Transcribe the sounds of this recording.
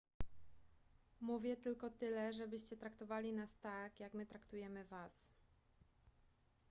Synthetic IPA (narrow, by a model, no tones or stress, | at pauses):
muvʲjɛt̪ɘlkɔt̪ɘlɛʐɛbɘɕt͡ɕɛt̪ɾakt̪ɔvalʲinast̪akjakmɘt̪ɾakt̪ujɛmɘvas